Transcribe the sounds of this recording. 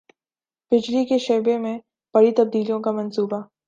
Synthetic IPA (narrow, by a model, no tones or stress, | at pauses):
b̥ɪd͡ʒlikeʃɐɾbemẽ | b̥ɐɽit̪ɐb̚d̪iːlijõkamɐ̃nsuːba